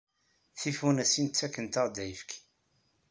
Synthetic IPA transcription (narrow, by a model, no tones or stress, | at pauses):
θifunæsint͡sːækːənt̪əʁd̪æjəfkʰ